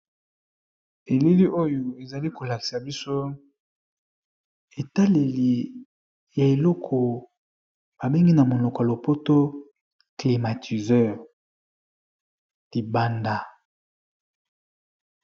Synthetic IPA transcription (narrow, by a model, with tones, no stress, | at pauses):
e˨li˦li˦ʔo˦jo˨e˨za˨li˦ko˨la˨ki̥˨sa˨bi˦so˦ | e˨ta˦le˨li˨ | ja˨e˨lɔ˦kʰɔ˨ | ba˨be˦ŋɡi˦na˨mo˨lɔ˨kɔ˨a˨lo˨po˦to˦ | kli˨ma˨tʰi˨zɛ˦ʁ | di˨ba˦nda˨